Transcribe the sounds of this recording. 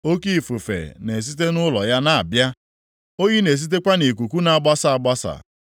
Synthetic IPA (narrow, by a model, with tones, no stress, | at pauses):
o˦ki˦˨fu˨fḛ˨ne˨s̬i˦t̬e˦nʊ˦lɔ˨ja˦na˨a˨bja˦ | o˦ɣi˦ne˨s̬i˦t̬e˦kʷa˦ni˨k̬ʷu˨kʷu˦na˨ɡ͡ba˦sa˨a˨ɡ͡ba˦sa̰˨